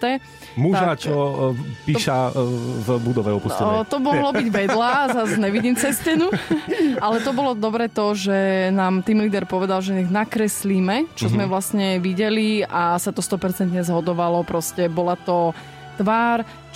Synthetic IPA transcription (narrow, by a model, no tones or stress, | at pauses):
t̪ɛ | muʒat͡ʃɔpiːʃavbud̪ɔʋɛɔpuɛt̪ɔmɔɦlɔbiɟʋɛd̪lazazɲɛʋiɟiːmt͡sɛscɛnu | alɛt̪ɔbɔlɔd̪ɔbɾɛt̪ɔʒɛnaːmt̪imliːd̪ɛɾpɔʋɛd̪alʒɛiɣnakɾɛsliːmɛt͡ʃɔzmɛʋlasɲɛʋiɟɛliasat̪ɔst̪ɔpɛɾt͡sɛnt̪ɲɛzɦɔd̪ɔʋalɔpɾɔscɛbɔlat̪ɔ | t̪ʋaːɾ